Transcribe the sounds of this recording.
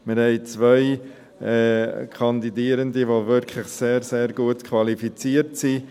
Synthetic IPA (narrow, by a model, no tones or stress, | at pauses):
mɪɾhɛɪt͡sʋœɪ | ɛːkʰɑnd̪idiːəɾənd̪iʋovʏɾkʰlɪχseːɾseːɾɡ̥uətkʰʋɑlifit͡siːəɾtsi